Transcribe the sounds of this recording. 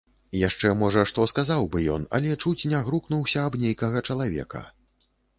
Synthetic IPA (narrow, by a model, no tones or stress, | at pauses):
jaʂt͡ʂɛmɔʐɐʂt̪ɔskazawbɨjɔ̰nɐ̰lʲɛt͡ʂut͡sʲnʲaɣɾuknuwsʲɐːbnʲejkɐɣɐt͡ʂɐlˠavʲɛ̰kɐ̰